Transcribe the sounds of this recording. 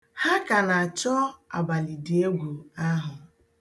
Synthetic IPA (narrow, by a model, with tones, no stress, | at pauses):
ha˦ka˨na˨a˨t͡ʃɔ˦a̰˨ba˨li˨di˨e˦ɡʷu˨a˦ɦʊ˨